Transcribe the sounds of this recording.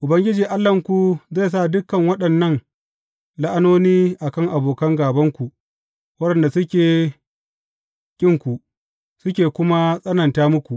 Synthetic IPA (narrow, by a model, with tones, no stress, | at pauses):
ʔʊ˨bɐ˦ŋɡʲɪ˦d͡ʒiː˨ʔa˦lːɐ˨ŋkʷu˨za˦˨js̬a˦˨dʊ˦kːɐ˨ŋwɐ˦ɗɐ˨nːɐ˦ŋ | la˦ʔa˦noː˦niː˦ʔa˨kɐ˦ŋʔa˨boː˨kɐ˦ŋɡaː˨bɐ˦ŋkʷu˨ʔ | wɐ˦ɗɐ˨nda˨sʊ˦kʲeː˨ | kʲʼɪ˦ŋkʷu˨ʔ | sʊ˦kʲeː˨kʷʊ˦ma˦sʼɐ˦nɐ˨ntaː˦mʊ˦kʷu˨ʔ